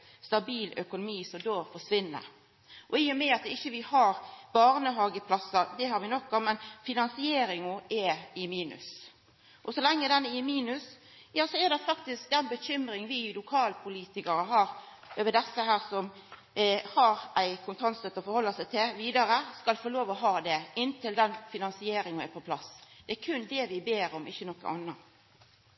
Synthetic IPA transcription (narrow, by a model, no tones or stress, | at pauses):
st̪ɑbiːlœkʊnʊmiːsɔmd̪oːfɔʂʋɪnːə̰ɾ | ʔɔiːʊmɛɑt̪ɪçːəʋɪhɑɾb̥ɑːʁnəɦɑːɡəpʰlɑsːɑd̪ɛhɑɾʋɪnɔkːɔmɛnfɪnɑnsɪeːɾɪŋʊʔɛɪmiːnʉ̰s | ʔɔsɔlɛŋːəd̪ɛnɪmiːnʉs | jɑːsɔɛɾd̪ɛfɑkt̪ɪsk̚d̪ɛnbəçʏmɾɪŋʋɪlʊkʰɑːlpʰʊliːt̪ɪkɑɾəɦɑːɾ | øːʋəd̪ɛsːəhæːʁsɔm | hɑɾʔæɪkʰʊnt̪ʰɑnst̪œt̪ːəfɔɾhɔlːəsæɪt̪ʰɪlʋiːd̪ɑɾəskɑlfoːloːʋɔɦɑːd̪ɛʔɪnt̪ɪld̪ɛnfɪnɑnsɪeːɾɪŋʊɛpʰɔpʰlɑsd̪̥ɛæɾkʰʉnd̪ɛʋɪbeːɾɔmɪçːənɔkːə̰nʔɑ̰nːɑ